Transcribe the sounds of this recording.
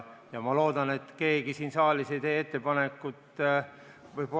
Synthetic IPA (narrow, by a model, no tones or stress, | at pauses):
jɑmɑlo̞ːd̪̥ɑne̞t̪ːke̞ːɡ̥isiːnsɑːlisejt̪e̞ːe̞t̪ːe̞pɑnekːˑut̪ːˑ | vɤjb